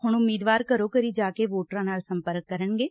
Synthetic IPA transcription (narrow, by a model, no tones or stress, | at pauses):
hʊɳʊmiːd̪ʋaːɾkəɾoːkəɾiːd͡ʒaːkeːʋoːʈɾãːnaːlsəmpəɾkːəɾəɳɡeː